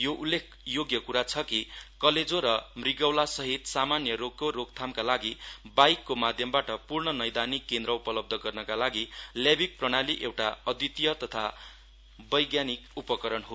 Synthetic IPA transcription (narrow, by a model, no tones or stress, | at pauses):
joʔulːek̚ʰjoɡjʌkuɾat͡sʰʌkikʌled͡zoɾʌmriɡʌwlasʌɦit̪samanjʌɾoɡ̚koɾoɡt̪ʰamkalaɡibajkːomad̪ʱjʌmbaʈʌpurɳʌnʌjd̪anikːend̪ɾʌupʌlʌb̚d̪ʱʌɡʌrnʌkalaɡiljabik̚prʌɽ̃aliʔewʈaʌd̪it̪ijʌt̪ʌt̪ʰa | bʌjɡjanikupʌkʌɾʌnɦo